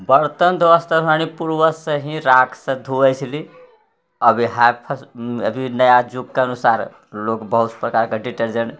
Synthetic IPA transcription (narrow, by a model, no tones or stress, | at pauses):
bəɾt̪ənd̪ʋəst̪əɾanipuɾʋəsəɦĩɾakʰsə̃d̪ʱuəjt͡ʃʰili | əbʱiɦapʰəsə̰bʱinəjad͡ʒukːeənusaɾ | lokbəɦut̪spɾəkaɾkeɖiʈəɾd͡ʒəɳ